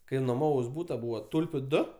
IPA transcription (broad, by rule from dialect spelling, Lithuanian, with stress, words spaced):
ˈkɐɪ noːˈmɑːʋɐʊs ˈbuːtɐ ˈbuːʋɐ ˈtʊlʲpʲʊ ˈdʊ